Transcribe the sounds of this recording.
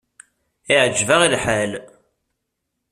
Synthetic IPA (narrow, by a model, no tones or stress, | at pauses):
iʕd͡ʒːvaʁilħal